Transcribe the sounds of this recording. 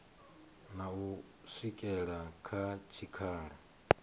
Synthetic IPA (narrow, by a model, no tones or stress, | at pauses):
nau | sikʼɛɺakʰat͡ʃʰikʰaːɺa